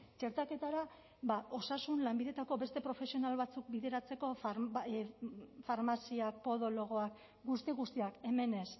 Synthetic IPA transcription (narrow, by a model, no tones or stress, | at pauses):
t͡ʃe̞ɾt̪ake̞t̪aɾa | βaʔo̞sasunlambiðe̞t̪ako̞βe̞st̪e̞pɾo̞fe̞sio̞nalβat͡suk̚biðe̞ɾat͡se̞ko̞f | faɾmasiak̚po̞ðo̞lo̞ɣ̞o̞ak | ɡust̪iɣust̪iake̞me̞ne̞s